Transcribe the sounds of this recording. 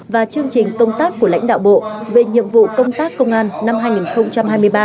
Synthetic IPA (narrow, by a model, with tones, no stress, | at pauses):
vaː˨˩t͡ɕɨ˧əŋt͡ɕï˨˩ŋ̟kə˧wŋ͡mt̪aː˦˥kːu˧˩əla̰˧˥ŋ̟ɗa̰ː˧˨wɓo̰˧˨ve˨˩ɲḭ˧˨əmvṵ˧˨kə˧wŋ͡mt̪aː˦˥kːə˧wŋ͡mʔaː˧nna˧mɦaː˧jŋi˨˩nxə˧wŋ͡mt͡ɕa˧mɦaː˧jmɨ˧əjɓaː˧